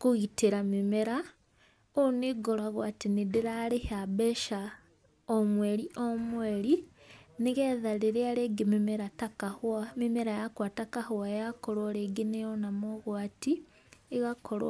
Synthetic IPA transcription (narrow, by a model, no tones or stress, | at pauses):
kuɣitiɾamimeɾa | oniɡolaɣwaːtinidiɾalehabeʃa | omweːliʔomweːɾiniɣeðaliɾealeɡimimeɾatakahamimeɾajakwatakahuwajakoɾoɾeɡinejonamoɣwaːtiː | ɣakʰol̰